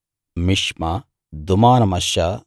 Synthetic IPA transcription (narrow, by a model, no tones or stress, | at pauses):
miʂmɐ | d̪umaːnɐmɐʃjɐ